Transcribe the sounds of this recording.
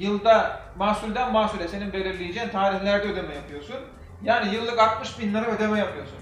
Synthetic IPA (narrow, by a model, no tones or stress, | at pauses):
jɯlˠd̪a | maːsulʲd̪ænmasulʲɛse̞ninbe̞lʲiɾlʲijed͡ʒent̪ʰaːɾihlʲæɾd̪ɛød̪emɛjapʰɯjo̞sun | jaːnijɯlˠːɯkat̪̚mɯʃbinlʲˠaɾaød̪emɛjapʰɯjo̞sun